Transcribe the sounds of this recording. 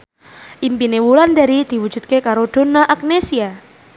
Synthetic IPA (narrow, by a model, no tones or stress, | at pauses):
ʔimpinewuland̪a̤ɾid̪̥i̤wu̥d͡ʒ̥ṳt̪̚kekaɾod̪̥o̤naʔak̚nesia